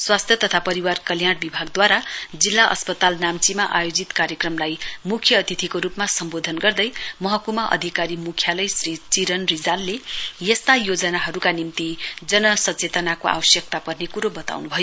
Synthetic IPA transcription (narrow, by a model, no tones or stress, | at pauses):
swast̪ʰjʌt̪ʌt̪ʰapʌɾiwarkʌljaɽbibʱaɡ̚d̪waɾad͡zilːaʔʌ̰spʌt̪alnamt͡simaʔajod͡zit̪kaɾjʌkrʌmlajmukʰjʌːt̪it̪ʰikoɾupmasʌmbod̪ʱʌnɡʌrd̪ʌjmʌɦʌkumaʔʌ̰d̪ʱikaɾimukʰjalʌjsrit͡siɾʌnrid͡zalːejest̪ajod͡zʌnaɦʌɾukanimt̪id͡zʌnʌsʌt͡set̪ʌnakoa̰wʌsjʌk̚t̪apʌrnekuɾobʌt̪a̰wnubʱʌjo